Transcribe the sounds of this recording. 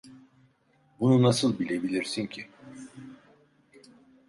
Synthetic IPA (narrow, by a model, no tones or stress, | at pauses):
bununasɯlˠbilʲe̞bilʲiɾsincʰi